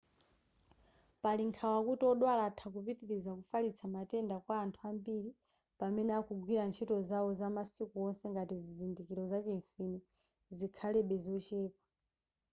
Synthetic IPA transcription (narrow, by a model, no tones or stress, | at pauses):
paliŋkʰawakutɔɗwalatʰakupitiɾizakufalit͡sʰamatɛndakwaːntʰuambiɾi | pamɛnɛakuɡwiɾant͡ʃʰitɔzawɔzamasikuɔnsɛŋɡatizizindikiɾɔzat͡ʃɛɱfini | zikʰalɛɓɛzɔt͡ʃɛːpḁ